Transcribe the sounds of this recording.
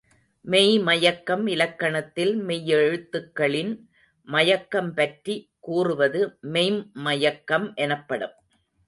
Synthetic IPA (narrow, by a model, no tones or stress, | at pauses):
mɛjmɐjɐkːɐmɪlɐkːɐɳɐt̪ːɪlmɛjːɛɻɯt̪ːɯkːɐɭɪn | mɐjɐkːɐmpɐʈri | kuːrɯʋɐðɯmɛɪmːɐjɐkːɐmʔɛnɐpːɐɽɯ̰m